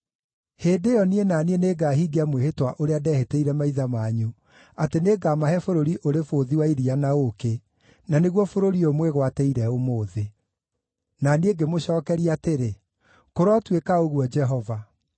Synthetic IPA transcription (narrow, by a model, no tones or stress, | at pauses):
heːdejɔnienanieneɡaːɦiːɡeamwehetwaʔoɾeadɛːheteiɾɛmaiðamaːɲu | ateneɡamaɦɛfoɾoɾiʔoɾefoðiwaiɾianaoke | naneɣwɔfoɾoɾiomweɣwatɛiɾɛomoːðe | naneɡemoɕɔːkɛɾiateɾe | koɾwɔtwekaoɣwɔd͡ʒɛɦɔva